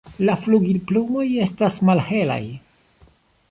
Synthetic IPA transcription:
lafluɡilplumo̞je̞stasmalhe̞la̰j

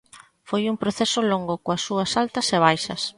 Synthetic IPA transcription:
fojumpɾoθesʊloŋɡʊkoɐsːuɐsalt̪ɐseβ̞ajʃɐs

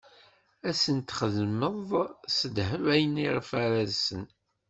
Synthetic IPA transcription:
æsənt̪χəðməðˤsəd̪həvæjəniʁfæɾæzsən

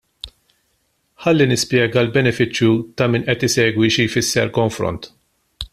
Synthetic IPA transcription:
ħɐlːinɪspjɛːɡɐlbɛnɛfɪt͡ʃːjut̪ɐmiːnʔɛt̪ɪsɛːɡwiʃijfɪsːɛɾkɔɱfɾɔ̰nt̪

